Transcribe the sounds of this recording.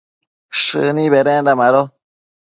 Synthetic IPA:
ʃɨniβɛɾɛ̃ndamaɾɔ

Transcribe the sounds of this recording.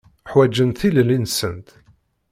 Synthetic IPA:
ħwæd͡ʒːənt̪θillinsənt̪

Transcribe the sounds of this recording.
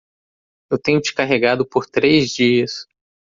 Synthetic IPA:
ewt̪ẽɲʊt͡ʃi̥kaɦeɡad̪ʊpoɾt̪ɾejzd͡ʒiɐs

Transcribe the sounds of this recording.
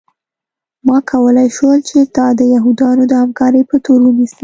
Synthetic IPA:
mɑkʰawəlajʃəlt͡ʃet̪ɑd̪əjaɦud̪ɑnod̪əhamkɑɾəjpət̪oɾwənisi

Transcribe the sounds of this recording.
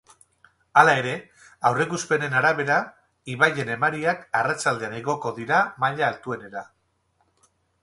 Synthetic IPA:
alae̞ɾe̞ | awre̞kuspe̞ne̞naɾaβ̞e̞ɾa | iβaje̞ne̞maɾiakarat͡ʃald̪eaneɣo̞ko̞ðiɾamaʎaːlt̪ue̞ne̞ɾa

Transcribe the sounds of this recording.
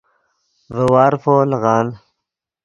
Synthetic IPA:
vəwɑːɾfoːlɣɑːn

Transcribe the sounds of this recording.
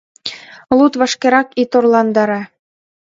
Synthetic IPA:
lˠut̪βɤ̆ʃkeɾɑkit̪orlˠɑnd̪ɑɾɑ

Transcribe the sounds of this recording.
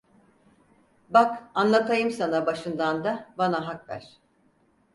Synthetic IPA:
bakanlˠat̪ʰajɯmsanabaʃɯnd̪and̪abanaɦakvæ̰ɾ̥

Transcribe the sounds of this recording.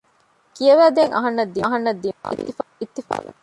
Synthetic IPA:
kijɐʋæːd̪eŋʔɐ̰ɦɐnːɐd̪ːiɦɐnːɐd̪ːiḭt̪ːifit̪ːifa̰ː

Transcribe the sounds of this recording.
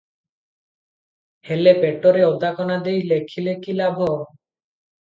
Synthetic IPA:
helepeʈɔɾeɔd̪akɔnad̪ejlekʰilekilabʱɔ

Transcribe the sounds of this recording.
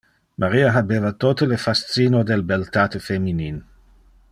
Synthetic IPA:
mʔaɾiaɦabevat̪ot̪əlefast̪t͡sinod̪elbelt̪at̪efeminin

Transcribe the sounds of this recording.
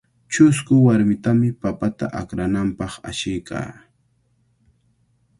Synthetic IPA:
t͡ʃʊskʊwaɾmɪt̪amɪpapat̪a̰ʔakɾanampɑχa̰ʃɪjkʰa̰ː

